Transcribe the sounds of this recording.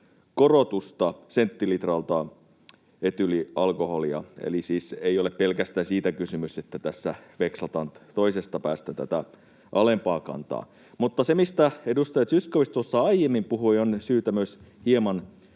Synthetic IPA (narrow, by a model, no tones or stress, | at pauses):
korot̪ust̪ɑsent̪ːilit̪rɑlt̪ɑ | et̪yliɑlkoholiɑ̰ḛlisiːseioleppelkæst̪ænsiːt̪ækysymyset̪ːæt̪æsːæʋeksɑt̪ɑːnt̪oisest̪ɑpæːst̪æt̪æ̰t̪æ̰ | ʔɑlempɑːkɑ̰nt̪ɑ̰ː | mut̪ːɑsemist̪æedust̪ɑjɑt̪syskoʋist̪uosːɑɑijemːimpuhuionsyːt̪æmøshiemɑn